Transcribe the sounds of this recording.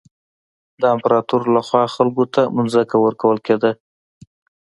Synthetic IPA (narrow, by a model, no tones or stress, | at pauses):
d̪əampaɾɑt̪uɾlaxwɑxalkot̪amʊnzəkawəɾkawəlked̪a